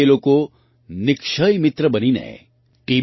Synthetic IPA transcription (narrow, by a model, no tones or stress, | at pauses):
eːlõko | nɪkʃəimɪt̪ɾəbəninɐ̰ḛ̃ | ʈiː